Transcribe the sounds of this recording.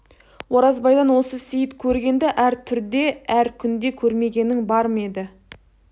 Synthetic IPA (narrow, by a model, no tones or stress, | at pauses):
woɾɑzbɑjd̪ɑnwo̞səsijɪt̪kʲʰɵɾɡʲe̞nd̪eʔæɾt̪ʰʏɾd̪e̞æɾkʲʰʏnd̪e̞kʲʰɵɾme̞ɡʲe̞nɪŋbɑɾməed̪ɪ